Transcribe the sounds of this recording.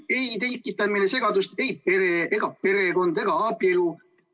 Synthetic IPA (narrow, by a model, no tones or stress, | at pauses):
e̞jt̪ekːˑit̪ːˑɑminese̞ɡ̥ɑd̪ust̪e̞jpe̞ɾeeɡ̥ɑpe̞ɾe̞ɡo̞nd̪e̞ɡ̥ɑɑbielu